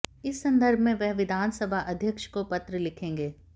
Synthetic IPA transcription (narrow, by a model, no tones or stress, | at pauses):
ɪsːɐ̃nd̪əɾbʱmẽʋɛɦʋɪd̪ʱaːnsəbʱaʔɐd̪ʱjəkʃkopɐt̪ɾəlɪkʰẽːŋɡeː